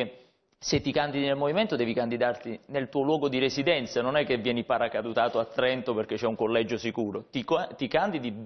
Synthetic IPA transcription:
set̪ːikand̪inelmoviment̪od̪ɛːvikand̪id̪art̪inelt̪uːolwɔːɡod̪iɾesid̪ɛnt̪sanonɛkːevːjɛːnipaɾakad̪ut̪aːt̪oat̪ːɾɛnt̪operk̟et͡ʃːɛuŋkolːɛd͡ʒosikuːɾot̪ikat̪ikand̪id̪i

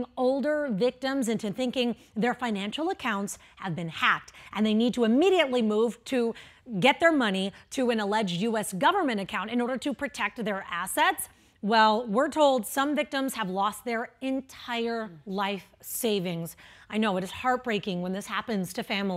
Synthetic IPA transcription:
ŋoʊlˠdə˞vɪk̚tɨ̃mzɨ̃ntɨθɪ̃ŋkɪ̃ŋ | ðə˞fãɪ̃næ̃nʃl̩ˠəkʰãʊ̃nts | həvbɨ̃nhæk̚tʔɨ̃nðeɪnid̚tʰəɨmiɾiɨtˡlimuv̥tʰɨɡɛt̪̚ðə˞mʌñiɾɨɨ̃ñəlɛd͡ʒjʉɛsɡ̥ʌvə˞mɨ̃ɾ̃ɨkʰãʊ̃ntɨ̃nɔɹɾə˞ɾɨpʰɹ̥ɨtʰɛk̚t̪̚ðə˞ʔæsɛts | wɛlˠwɪɹtʰoʊlˠdsʌ̃ɱvɪk̚tə̃mz̥əvlɔst̪̚ðə˞ɨ̃ntʰaɪə˞laɪf | seɪvɪ̃ŋzaɪnoʊɨɾɨz̥hɑɹt̚b̥ɹeɪkɪ̃ŋwə̃nðɪshæpɨ̃nz̥tʰɨfæ̃ml

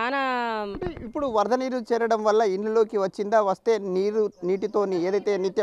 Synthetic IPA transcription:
aːnɐ | ipːuɽuʋɐɾd̪ʱɐniːɾut͡ʃɛːɾɐɽɐmʋɐlːɐiɳlulo̞ːkiʋɐt͡ʃːind̪aːʋɐst̪e̞ːniːɾuniːʈit̪o̞ːnieːd̪ɐjt̪e̞ːnit̪jɐ

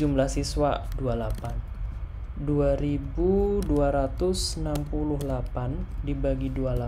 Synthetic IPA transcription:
umlahsiswadualapan | duaɾibuduaɾat̪ʊsənampulʊɦlapandibaɡiduala

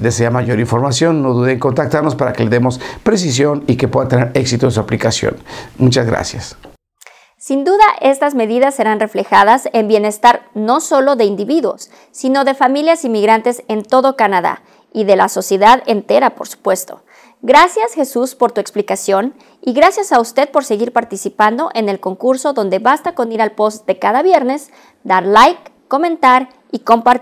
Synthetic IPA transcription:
ðeseamaʝo̞ɾiɱfo̞ɾmasjo̞nːo̞ðuðeŋko̞nt̪ak̚t̪aɾno̞spaɾakele̞ðemo̞spɾes̬is̬jo̞nike̞pwe̞ðat̪eneɾe̞ksit̪oens̬uaplikasjo̰nmut͡ʃazɣɾa̰sjas | sind̪uðaʔe̞st̪azme̞ðiðasːe̞ɾanre̞fle̞xaðase̞mbje̞ne̞st̪aɾno̞so̞loðe̞ind̪iβiðwo̞̰sː | ino̞ðe̞familjasimːiɣɾant̪e̞se̞nt̪o̞ðo̞kanaða̰ | iðe̞la̰so̞sje̞ðaðe̞nt̪e̞ɾapo̞ɾsu̥pwe̞st̪o̞̥̰ | ɡɾasjasxe̞suspo̞ɾt̪ue̞ksplikasjo̞n | iɣɾasjasaust̪e̞ð̥̚po̞ɾse̞ɣiɾpaɾt̪isipand̪o̞ʔe̞ne̞lko̞ŋkuɾso̞ðo̞nd̪e̞βast̪ako̞niɾalpo̞st̪̚d̪e̞kaðaβje̞ɾne̞s | d̪aɾlajkː | o̞mẽ̞nt̪aɾ | ikompaɾ

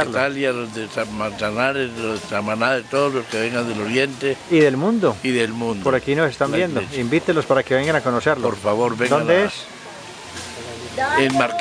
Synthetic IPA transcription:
laljalodesamansanaɾesloðesamanaðet̪oðozloskeβeŋɡand̪eloɾjent̪eiðe̞lmũnd̪oiðelmũnd̪poɾakinosest̪ambjend̪oimbit̪elospaɾakeβeŋɡanakonoseɾlooɾfaβoɾβeŋd̪oad̪ees | emaɾ

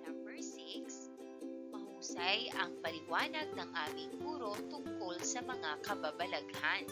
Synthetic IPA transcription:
nɐmbɛɹsɪks | mɐhuːsajʔɐŋpɐlɪwaːnɐɡ̚nɐŋʔaːmɪŋʔuːɾo̞t̪ʊŋkolsɐmɐŋakɐbabɐlɐɡhan

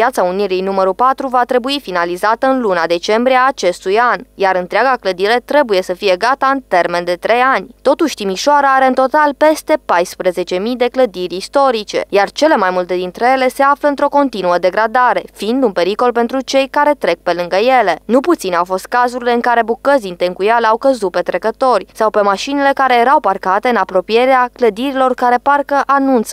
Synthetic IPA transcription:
jat̪sauniɾijnuməɾupat̪ɾuvat̪ɾe̞buifinalizat̪əɨnlunad̪e̞t͡ʃe̞mbɾieaːt͡ʃe̞st̪ujanjaɾɨnt̪ɾeaɡakləd̪iɾe̞t̪ɾe̞buje̞səfije̞ɡat̪aɨnt̪e̞rme̞nd̪e̞t̪ɾe̞janʲt̪o̞t̪uʃʲt̪imiʃoaɾəaɾe̞ɨnt̪o̞t̪alpe̞st̪e̞pajspɾeze̞t͡ʃe̞mid̪e̞kləd̪iɾʲist̪o̞ɾit͡ʃe̞̰jart͡ʃe̞le̞majmult̪e̞d̪int̪ɾeje̞le̞se̞afləɨnt̪ɾo̞ko̞nt̪inuəd̪e̞ɡɾad̪aɾe̞fiind̪unpe̞ɾiko̞lpe̞nt̪ɾut͡ʃe̞jkaɾe̞t̪ɾe̞k̚pe̞lɨŋɡəje̞le̞nuput̪sinawfo̞st̪̚kazuɾile̞ɨnŋkaɾe̞bukəzint̪eŋkujalawkəzut̪̚pe̞t̪ɾe̞kət̪o̞rʲsawpe̞maʃinile̞kaɾe̞je̞ɾawparkat̪e̞ɨnapɾo̞pije̞ɾeakləd̪iɾilo̞rkaɾe̞parkəʔanunt̪s

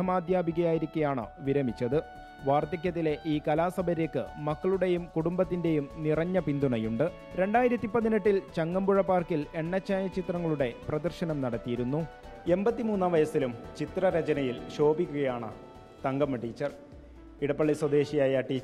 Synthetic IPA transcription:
ɐmaːd̪ʱjaːbiɣɐjaːjiɾikʲːujaːɳɨ̰ʋiɾɐmit͡ɕːɐðɨ | ʋaːrt̪ɐk̬ʲːɐt̪̬ːile̞ʔiːkɐlaːsɐbʱɐɾekːɨ̰mɐkːɐɭuɽe̞jumkuɽumbɐt̪ːinde̞jumnirɐɲːɐpind̪uɳɐjuɳɖɨ | ɾe̞ɳɖaːjiɾɐt̪ːipːɐðiniʈːilt͡ɕɐŋːɐmbuɻɐpːaːrkile̞ɳːɐt͡ɕːaːjɐt͡ɕit̪rɐŋːɐɭuɽe̞prɐd̪ɐrɕɐnɐmnɐɽɐt̪ːijiɾunːu | e̞mbɐt̪ːimuːnːaʋɐjɐsilumt͡ɕit̪rɐɾɐt͡ɕɐnɐjilɕo̞ːbikʲːuɣɐjaːɳɨ̰ | t̪ɐŋɡɐmɐʈiːt͡ɕːɐr | iɽɐpːɐɭːiswɐd̪e̞ːɕijaːjɐʈiː

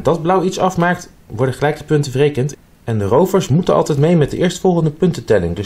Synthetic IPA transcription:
dɑd̚blʌwitsɑfmaːk̚t | ʋɔɹdəχəlɛjkə̥pɵntəvərejkənt | ɛndərowvəɹsmutənɑ̰lˠtɛjtmejmɛt̚dəʔɪːɹstfɔlˠχəndəpɵntətɛlɪ̰ŋdø

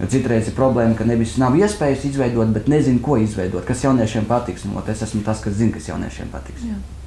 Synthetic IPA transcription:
jo̰tsit̪ɾɛjzɪpɾɔblˠɛːmkanebʲisnawiɛspʲɛːjusizʋɛjd̪uɔt̪̚bɛt̪nezinkuɔizʋɛjd̪uɔt̪kasjawniɛʃiɛmpat̪iksnuɔ̰t̪esæsmʊt̪askaszinkasja̰ʊnḭɛʃiɛmpa̰t̪i̥ksja

